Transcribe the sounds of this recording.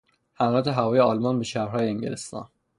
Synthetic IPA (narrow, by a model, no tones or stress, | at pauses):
hæmɒːlæt̪ʰeɦævɒːjeɒlmɒnbeʃæːɾhɒːjeeŋɟelest̪ɒ̰ːn